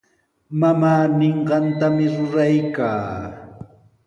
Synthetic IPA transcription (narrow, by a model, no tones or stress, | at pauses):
mamaːneɴɢɑnt̪amɪɾʊɾajkaː